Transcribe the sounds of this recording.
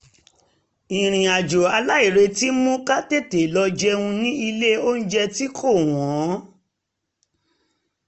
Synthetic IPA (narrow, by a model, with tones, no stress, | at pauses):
ĩ˨ɾ̃ĩ˨a˨d͡ʒo˨a˧la˦i˨ɾe˧ti˦mũ˦ka˦te˦˨te˨lɔ˧d͡ʒɛ˧ũ˧nĩ˦i˧le˦o˦n̩˦d͡ʒɛ˧ti˦kʰo˦˨w̃ɔ̃˨˦